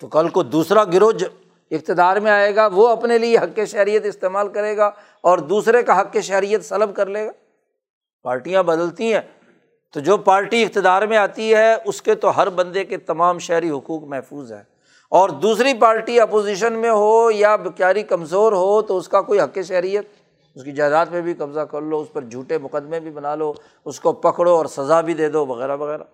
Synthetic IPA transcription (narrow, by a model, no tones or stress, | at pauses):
t̪okɐlkod̪uːsɾaɡɪɾoːd͡ʒ | ɪk̚t̪ɪd̪aːɾmẽaːeːɡaʋoɐpnelieɦɐkːeʃɛɦɾijət̪ɪst̪eːmaːlkɐɾeːɡaː | ɔːɾd̪uːsɾekaɦɐkːeʃɛɦɾijət̪sɐləb̚kɐɾleːɡaː | paːɾʈijãbɐd̪əlt̪ĩɦɛ̃ː | t̪od͡ʒoːpaːɾʈiɪk̚t̪ɪd̪aːɾmẽaːt̪iɦɛʊsket̪oɦɐɾbɐ̃nd̪eket̪ɐmaːmʃɛɦɾiɦʊkuːkmɛɦfuːzɦɛ̰ː | ɔːɾd̪uːsɾip̬aːɾʈiɐpoːziːʃ̬ənmẽɦojabɪkjaːɾikɐmzoːɾɦot̪oʊskakoːiɦɐkːeʃ̬ɛɦɾijət̪̚ | ʊskid͡ʒaːd̪aːt̪̚pebʱikɐbzakɐɾloʊspɐɾd͡ʒʱuːʈemʊqəd̪mẽbʱibɐnaːloː | ʊskopɐkɽoɔːɾsɐzabʱid̪eːd̪oʋɐɣɛːɾaʋɐɣɛːɾaː